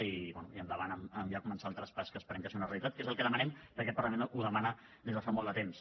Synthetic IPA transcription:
iβɛnṵiənd̪əβanəməmjakumənsalˠt̪ɾəspaskəːspəɾɛmkasiunəreəlit̪at̪̚kezəlˠkɛðəmənɛmpəɾkɛt̪pɐɾləmenuðəmanə | d̪ezðəfamɔlˠd̪ət̪ems

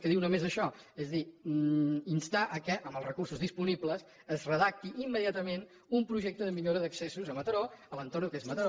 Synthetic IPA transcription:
kɛðiwnomezəʃɔ | ezði | inst̪aʔəkɛʔəmbəlˠzrəkursuzðispunibləs | əzrəðak̚t̪iʔimːəðiat̪əmen | umpɾuʒek̚t̪əðəmiʎoɾəðəksesuzəmət̪əɾoələnt̪oɾnukezmət̪əo

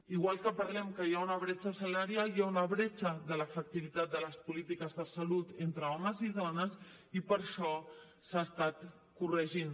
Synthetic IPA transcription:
iɣwalˠkəpəɾlɛmkəjaunəβɾɛt͡ʃəsəlaɾjaljaunəβɾet͡ʃəðələfək̚t̪iβit̪at̪̚d̪ələspulit̪ikəzðəsəlut̪ent̪ɾəɔməziðɔnəs | ipəɾʃɔsaəst̪at̪ | kurəʒin

